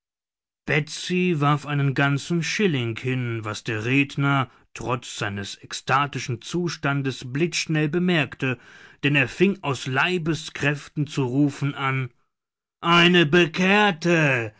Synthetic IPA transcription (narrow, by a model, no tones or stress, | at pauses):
b̥ɛt͡sivaɐfʔaɪnənɡant͡sn̩ʃɪlɪŋhɪnvasd̥eːɐʁeːdnɐ | tʁ̥ɔt͡sz̥aɪnəsɛkstʰaːtɪʃn̩t͡suːʃtandəsblɪt͡sʃnɛlbəmɛɐktəd̥ɛneːɐfɪŋaʊslaɪbəskʁ̥ɛftn̩t͡suʁuːfn̩ʔan | ʔaɪnəbəkʰeːɐtə